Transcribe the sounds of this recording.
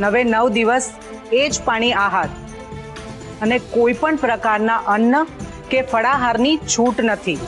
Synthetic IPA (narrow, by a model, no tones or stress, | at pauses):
nəʋenəʋd̪iʋəs | ed͡ʒpaɽ̃iaɦat̪ | ənekoipəɳpɾəkaɾnaʔənːə | kefəɽaɦaɾnit͡ʃʰuʈnət̪ʰi